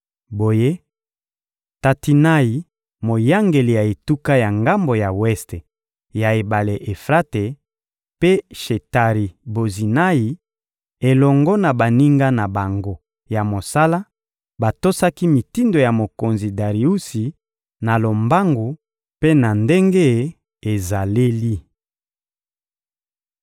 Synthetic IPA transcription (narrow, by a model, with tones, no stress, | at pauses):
bo˨je˦ | ta˨ti˨na˦i˨ | mo˨ja˦ŋɡe˨li˨ja˨e˨tu˦ka˦ja˨ŋɡa˦mbo˨ja˨wɛ˦ste˨ | ja˨e˨ba˨le˨ʔe˨fʁa˦te˨ | pe˦ʃe˨ta˨ʁi˨bo˨zi˨na˦i˨ | e˨lɔ˨ŋɡɔ˦na˨ba˨ni˦ŋɡa˦na˨ba˨ŋɡo˦ | ja˨mo˨sa˦la˦ | ba˨to˦sa˦ki˦mi˨ti˦ndo˨ja˨mo˨ko˨nzi˨da˨ʁi˨u˦si˨ | na˨lo˨mba˦ŋɡo˨ | pe˦na˨nde˦ŋɡe˦ | e˨za˨le˦li˦